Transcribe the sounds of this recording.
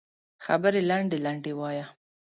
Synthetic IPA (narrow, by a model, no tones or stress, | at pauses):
xabəɾelaɳɖelaɳɖewɑja